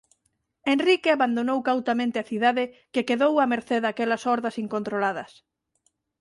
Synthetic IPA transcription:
enrikeaβand̪onowkawt̪amẽnt̪ɪɐθiðaðɪkekeðowɐmeɾθeðakɛlɐsɔɾðɐsiŋkõnt̪ɾolaðɐs

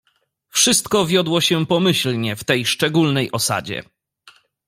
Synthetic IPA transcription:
fʂɘst̪kɔvʲjɔd̪wɔɕɛpɔmɘɕlɲɛft̪ɛjʂt͡ʂɛɡulnɛjʔɔsa̰d͡ʑɛ̰

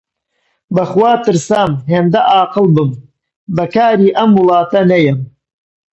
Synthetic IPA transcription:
bɐχwaːt̪ɨɾsaːmɦeːmd̪ɐʔaːqɨlˠbɨm | bɐkaːɾiːʔɐmwɨlˠɑːt̪ɐnɐjɛm

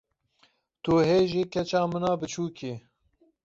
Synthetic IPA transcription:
t̪uɦeːʒikʰɛt͡ʃɑːmɨnɑːbɨt͡ʃʰuːkʰi

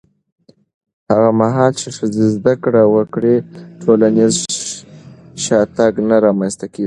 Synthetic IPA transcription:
haɣamaɦɑlt͡ʃeʂɪzezd̪akɽawəkɽeʈʰolanez | ʃɑt̪aɡnaɾɑmanst̪akeɡi

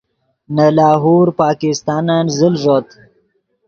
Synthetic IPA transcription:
nalɑːɦuːɾpɑːkɪst̪ɑːnanzɪlʐot̪

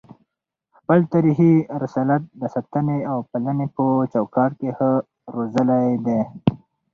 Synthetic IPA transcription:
xpəlt̪aɾiɦiɾɪsɑlat̪̚d̪əsat̪aneawpalanepot͡ʃawkɑːʈkehə | ɾozəlajd̪e

